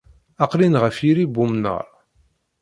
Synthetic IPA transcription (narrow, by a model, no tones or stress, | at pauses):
ɑqlinʁəfjiɾibumnə̰ɾˤ